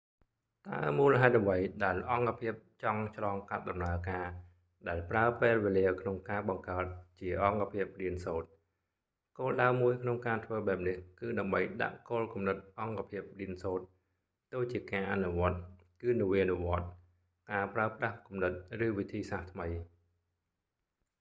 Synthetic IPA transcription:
t̪a̰əmuːləɦaɛt̪̚ʔəʋəjɗaɛlʔɑŋkapʰiəp̚t͡ɕɑŋt͡ɕʰlɑːŋkat̪̚ɗɑmnaəkaː | ɗaɛlpraəpeːlʋeːliəkʰnoŋkaːɓɑŋkaət̪̚t͡ɕiəʔɑŋkapʰiəp̚riənsoːt̪̚ | koːlɗaəwmuəjkʰnoŋkaːt̪ʰʋəːɓaɛp̚nihkɨːɗaəmɓəjɗa̰ʔkoːlkumnɨt̪̚ʔɑŋkapʰiəp̚riənsoːt̪̚ | t̪ːoːt͡ɕiəkaːʔanuʋŏət̪̚ | kɨːnɨʋinuʋŏət̪̚ | kaːpraəprahkumnɨt̪̚rɨːʋit̪ʰiːsaht̪ʰməj

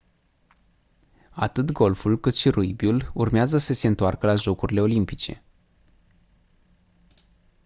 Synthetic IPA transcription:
at̪ɨt̪ɡo̞lfulkɨt̪ʃiruibjulurmeazəsəse̞ɨnt̪oarkəlaʒo̞kuɾile̞o̞limpit͡ʃe̞̰

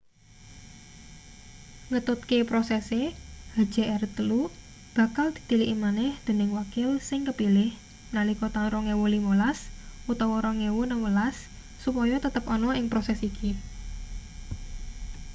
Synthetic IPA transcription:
ŋət̪ʊt̪̚kepɾɔsɛsehḁʒ̥a̤ʔɛɾət̪əlu | b̥ä̤kald̪̥i̤̥t̪iliʔimanɛhd̪̥e̤nɪŋwakɪlsɪŋkəpilɪh | mnalikɔt̪aŋɾɔŋewolimolasʔut̪ɔwɔɾɔŋewonəwəlasː | upɔjɔt̪ət̪əpɔnɔɪŋpɾɔsɛsikʰi

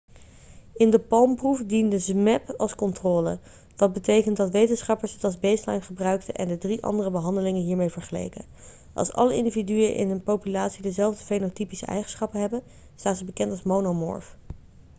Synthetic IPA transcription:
ɪndəpɑlˠmprufdindəzmɛpɑlˠskɔntroːlə̰ | ʋɑt̚bətejkəntdɑtʋejtənsχɑpəɹsɦətɑlˠzbejslɑ̰jnχəbrœɥktəʔɛ̰ndədriʔɑ̰ndərəbəɦɑndəlɪŋənɦiːɹmejvəɹχəlḛjkə̰ | ʔɑ̰lˠsɑ̰ləʔɪndividyəʔɪ̰nənpowpylaːtsidəzɛlˠvdəfejnotipisə̰ʔɛ̰jχənsχɑpənɦɛbən | staːnzəbəkɛntɑlˠsmownomɔ̰ɹf

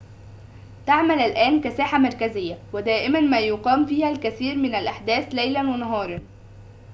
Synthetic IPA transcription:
t̪aʕmælælʔæːnkæsaːħamɑɾˤkæzɪjːæwɪd̪æːʔɪmænmæːjoqɑːmfiːhælkæθiːɾmɪnælʔaħd̪æːθlæjlænwɪnɑɦɑːɾˤɑn

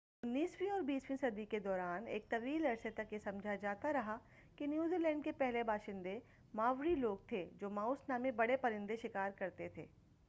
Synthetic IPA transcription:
ʊnːiːswiɔːɾbiːswĩsɐd̪iked̪ɔːɾaːnḛːk̚t̪ɐʋiːlɐɾset̪ɐkjesɐ̃md͡ʒʱad͡ʒaːt̪aɾɐɦa | kinjuːziːlɛ̃ːɳɖkepɛɦlebaːʃɪ̃nd̪e | maːʋɾiloːɡ̚t̪ʰed͡ʒoːmaːʊsnaːmẽbɐɽepɐɾɪ̃nd̪eʃɪkaːɾkɐɾt̪et̪ʰḛː

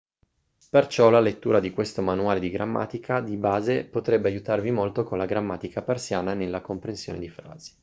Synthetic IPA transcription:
pert͡ʃɔlalet̪ːuːɾad̪ikwest̪omanuaːled̪iɡɾamːa̰ːt̪ikʰad̪ibaːzepot̪ɾɛbːeajut̪arvimolt̪okonlaɡɾamːaːt̪ikapersjaːnanelːakompɾensjo̰ːned̪ifɾa̰ːz̥i̥

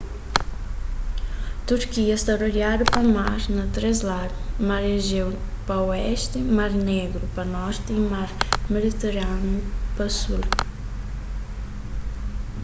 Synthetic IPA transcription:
t̪uɾkiɐst̪aɾoɾjad̪upɐmaɾnɐt̪ɾezlaɾmaɾeʒew | pɐwɛst̪ɪmaɾneɡɾupɐnɔɾt̪imaɾmed̪it̪eɾanupɐsuɾ

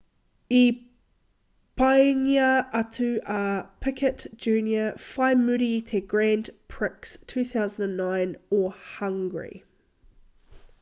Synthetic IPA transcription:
i | b̥anjəʔatʰʉʔapʰɪkʰətd̥d͡ʒʉːnjəfaɪmʉɾitʰɛɡ̥ɹæ̃ndpʰɹ̥ɪkstʰʉːθaʊzə̃ndə̃nːãɪ̃nɔhʌ̃ŋɡəɹḭ

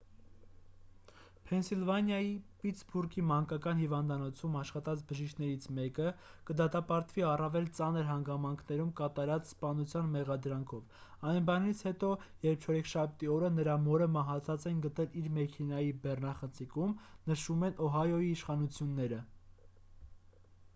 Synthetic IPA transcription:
pʰɛnsilvɑnjɑjipit̪t͡ssbuɾkʰimɑŋkɑkɑnhivɑnd̪ɑnɔt͡sʰumɑʃχɑt̪ɑt͡sʰbəʒiʃkʰnɛɾit͡sʰmɛkəkəd̪ɑt̪ɑpɑɾt̪viɑrɑvɛlt͡sɑnəɾɦɑŋɡɑmɑŋkʰnɛɾumkɑt̪ɑɾɑt͡sspɑnut͡sʰjɑnmɛʁɑd̪ɾɑŋkʰɔvɑjnbɑnit͡sʰhɛt̪ɔjɛɾp̚t͡ʃʰɔɾɛkʰʃɑp̚ʰt̪iɔɾənəɾɑmɔɾəmɑɦɑt͡sʰɑt͡sɛnɡət̪ɛliɾmɛkʰɛnɑjibɛrnɑχənt͡sʰikumnəʃumɛnʔɔɦɑjɔiːʃχɑnut͡sʰjunːɛɾə

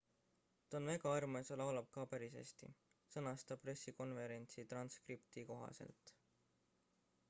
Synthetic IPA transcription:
t̪ɑonvæɡɑɑrmesɑlɑwlɑb̥̚kɑpæɾisḛst̪ḭ | sɤnɑst̪ɑpre̞sːiko̞nve̞ɾe̞nʲt̪sit̪rɑnskript̪iko̞ɦɑ̰se̞̰lt̪ˑ

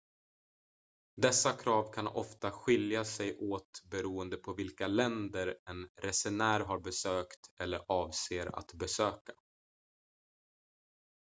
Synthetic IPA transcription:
d̪ɛsːakʰɾɑːvkʰanɔ̰ft̪aɧɪljasɛjʔoːt̪bɛɾuːənd̪əpʰɔvɪlkalɛnd̪əɾɛnɾɛsɛnæːɾɦaɾbɛsøːkt̪ɛlːəɾʔɑːvseːɾa̰t̪bɛsøːka

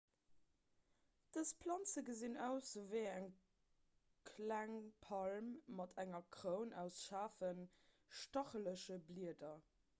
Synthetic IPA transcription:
d̥əspʰlɑnt͡səɡəzinæʊsəvəɪæŋ | kʰlæŋpʰɑlmːɑtʰæŋɐkʁəʊnæʊsʃaːfən | ʃtɑχələʃəbliədɐ

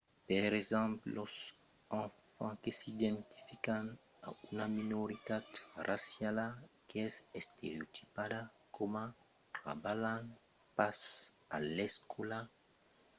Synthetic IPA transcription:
peɾezɛ̃mpos | ãfãkesid̪ẽnt̪i̥fikan | a̰unaminoɾit̪at̪rasjalakeɛsest̪eɾeot̪ʰi̥pad̪a | koma | ra̰balan | pasa̰leskola

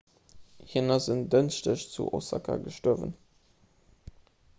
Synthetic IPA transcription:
hinɐzəndənʃtəɕt͡sṵʔo̰sɑ̰kʰɐ̰ɡəʃtoəvə̰n

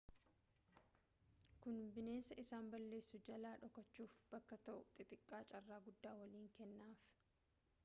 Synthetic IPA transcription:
kʊnbɪne̞ːnsɐʔɪsaːmbɐlːe̞ːsːʊd͡ʒɐlaːᶑɔkɐt͡ʃːuːfb̥ɐkːɐt̪ɐʔʊt̪ʼɪt̪ʼɪkʼːaːt͡ʃʼɐrːaːɡʊd̪ːaːwɐliːŋkɛnːaːf

